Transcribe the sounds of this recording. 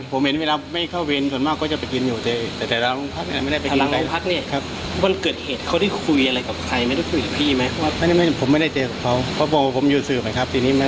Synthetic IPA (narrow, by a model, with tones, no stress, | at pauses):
pʰo˨˦mhe˨˦nweː˧laː˧pʰo˨˦mːa˥˩jkʰaː˥˩wwe˧nsu˨˩əmaː˥˩kːɔː˥˩t͡ɕa˨˩pa˨˩jki˧njuː˨˩t̪eː˧˨˩t̪ɛː˨˩ɛː˨˩laː˧lu˧˥˨ŋpʰa˦˥niː˧˥˨ma˥˩jda˥˩pa˨˧a˧a˧˨pʰa˦˥k̚niː˧˥˩kʰa˦˥p̚ | ba˧nkɤː˨˩t̪̚heː˨˩t̪̚kʰa˧˥˩da˥˩jkʰu˧jʔa˧la˧jka˨˩p̚kʰa˧jma˥˩jda˥˩kʰu˧jka˨˩pʰiː˥˧˩ma˦˥jpʰɔ˦wa˥˧˩ma˥˩m˥˩pʰo˩˦ma˥˩jda˥˩jt͡ɕɤː˧ka˨˩kʰa˧˦˥wpʰɔ˦˥˩bɔː˨˧˩waː˧˩pʰo˩˦mjuː˨˩sɯː˨˩p̚ma˧˦˩kʰa˦˥p̚t̪ʰiː˧niː˦˥ma˦˥